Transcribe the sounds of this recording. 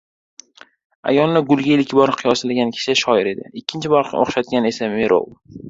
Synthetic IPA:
a̰jɒnːɪɡʊlˠɡʲailkʲbɒɾqʰɨjɒsalaɡʲankʲʰɪ̥ʃɪʃɒɪɾe̞d̪ɪ̰ɪkʲʰːɪnt͡ʃʰɪbɒɾqʰo̰χʃat̪̚ɡʲane̞sameɾo̰w

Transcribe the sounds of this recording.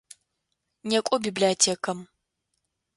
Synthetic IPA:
nekʷʼɔbiːbliɐtʰeːkʰɐm

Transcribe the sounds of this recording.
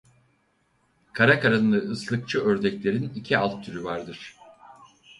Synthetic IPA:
kʰaɾakʰaɾanlˠɯɯslˠɯk̚t͡ʃʰɯøɾd̪ɛclʲe̞ɾinicʰialˠt̪̚ʰːyɾyvaɾd̪ɯɾ̥

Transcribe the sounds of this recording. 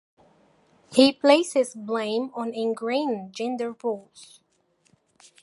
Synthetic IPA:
hipʰl̥eɪsɪzblẽɪ̃mə̃nɨ̃nɡɹẽɪ̃nd͡ʒɛ̃ndə˞bɔz̥

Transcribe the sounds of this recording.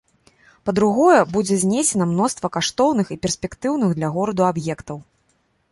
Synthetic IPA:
pɐd̪ɾuɣɔjɛbud͡zʲɛzʲnʲesʲɛnɐmnɔst̪vɐkaʂt̪ɔwnɨxipʲɛrsʲpʲɛkt̪ɨwn̪ɨɣd̪lʲɐɣɔɾɐd̪uabjɛkt̪ɐw

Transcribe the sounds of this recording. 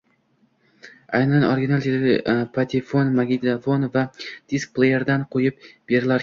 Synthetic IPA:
ajnanoɾɡʲinalˠt̪ʰed̪pʰat̪ʰifonmaɡʲid̪afonvad̪̥isk̚plˠejeɾd̪anqʰojɪp̚b̥e̞ɾɪlaɾ

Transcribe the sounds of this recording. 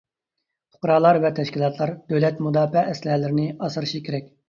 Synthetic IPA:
pʰʊ̥qɾɑːlˠɑɾvɛt̪ʰɛʃkʲilˠɑt̪ʰlˠɑɾd̪̥øwlɛt̪mud̪ɑːfɛʔːslɦɛlɪɾɪnɪɑsɨɾɨʃikʲʰeɾɛk̚ʲ

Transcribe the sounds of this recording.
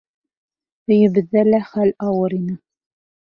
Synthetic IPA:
tɘ̆jɘ̆bɘ̆ðːælæχælɑwɤɾinɘ

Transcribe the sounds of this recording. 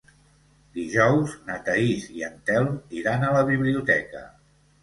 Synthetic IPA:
d̪iʒɔwznət̪əiziənt̪ɛlˠmiɾanələβiβliut̪ɛkə̰

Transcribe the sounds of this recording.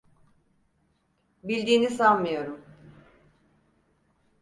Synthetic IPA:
bilʲd̪iːnisanmɯjo̞ɾum

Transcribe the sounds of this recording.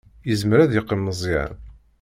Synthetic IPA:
jəzməɾæðjəqːəmːəzˤiʕ̰n

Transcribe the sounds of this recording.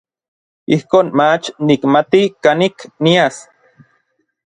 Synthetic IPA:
ihkoːnmat͡ʃnikmat̪ikaniknias

